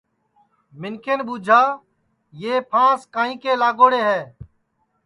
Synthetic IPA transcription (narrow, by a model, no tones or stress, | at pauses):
mɪnkenɓuːd͡ʒʱaː | jeːpʰãːskãːĩːkeːlaːɡoːɽeːɦɛː